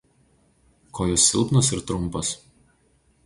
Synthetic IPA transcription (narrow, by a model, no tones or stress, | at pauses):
kʰoːjɔsːʲɪ̰lˠpnɔsɪɾt̪ɾʊmˑpɐs